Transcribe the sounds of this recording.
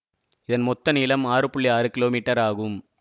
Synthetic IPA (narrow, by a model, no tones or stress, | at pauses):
ɪðɐnmɔt̪ːɐnɪlɐmaːɾɯpʊɭːiaːɾɯkɪloːmiːʈːɐɾaːɣɯm